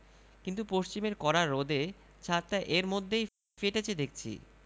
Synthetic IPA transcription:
kint̪upoʃt͡ɕimeɾkɔɾaɾːod̪e | t͡ɕʰat̪ːaʔeɾmod̪ʱːej | feʈet͡ɕʰed̪ek̚t͡ɕʰḭ

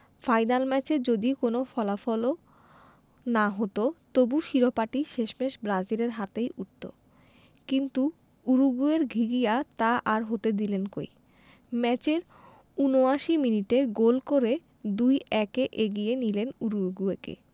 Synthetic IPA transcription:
fajnalmɛt͡ɕed͡ʑod̪ikonofɔlafɔlo | naɦot̪ot̪obuʃiɾopaʈiʃeʃmeʃbɾad͡ʑileɾɦat̪ejuʈ̚t̪o̰ | kint̪u | uɾuɡueɾɡʱiɡijat̪aʔaɾɦot̪ed̪ilenko̰j | mɛt͡ɕeɾ | unoaʃiminiʈeɡolkoɾe | d̪ujɛkeʔeɡienilenuɾuɡuekḛ

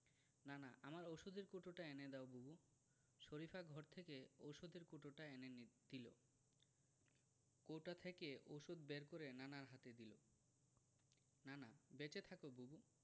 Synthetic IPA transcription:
nanaʔamaɾowʃud̪eɾkoʈoʈaened̪ɛobubu | ʃoɾifʰaɡʱɔɾt̪ʰekeoʃud̪eɾkoʈoʈaenend̪̥ilo̰ | kowʈat̪ʰekeʔoʃud̪beɾkoɾenanaɾɦat̪ed̪ilo | nanabet͡ɕet̪ʰakobubu

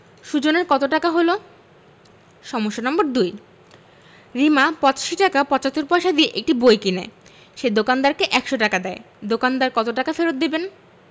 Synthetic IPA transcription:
ʃud͡ʑoneɾkɔt̪oʈakaɦolo | ʃɔmoʃːonɔmboɾd̪uj | ɾimapɔt͡ɕḁʃiʈakapɔt͡ɕat̪ːoɾpoaʃad̪ieʔek̚ʈibojkina̰ | ʃed̪okand̪aɾkeʔɛkʃoʈakad̪ɛe | d̪okand̪aɾkɔt̪oʈakafeɾot̪̚d̪iben

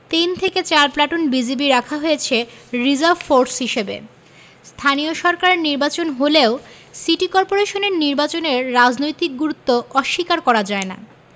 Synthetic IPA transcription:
t̪ent̪ʰeket͡ɕaɾplaʈonbid͡ʑibiɾakʰaɦojet͡ɕʰeɾid͡ʑaɾbfoɾsɦiʃebḛ | st̪ʰanioʃɔɾkaɾeɾniɾbat͡ɕonɦoleo | siʈikɔɾpoɾeʃoneɾniɾbat͡ɕoneɾːad͡ʑnojt̪ik̚ɡuɾut̪ːoɔʃːikaɾkɔɾad͡ʑaena̰

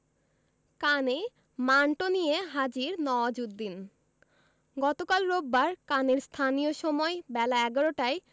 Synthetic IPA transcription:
kane | maɳʈonijeɦad͡ʑiɾnɔad͡ʑudd̪ːin | ɡɔt̪okalɾobːaɾkaneɾst̪ʰanijoʃɔmɔebɛlaɛɡɔɾoʈae

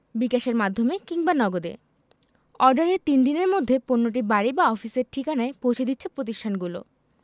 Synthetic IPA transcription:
bikaʃeɾmad̪ʱomekiŋbanɔɡod̪ḛ | ɔɾɖaɾet̪ind̪ineɾmod̪ʱːeponːoʈ̬ibaɾibaɔfiseɾʈʰikanaepowt͡ɕʰed̪it̪ːɕʰepɾot̪̬iʃʈʰanɡulo̰

